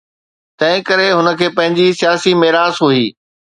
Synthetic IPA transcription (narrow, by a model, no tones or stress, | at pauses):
t̪ɐ̃ɦɪ̃kɐɾeɦʊnəkʰeːpɐ̃ɦɪ̃ɲd͡ʑisijaːsimeɦɾaːzɦuiː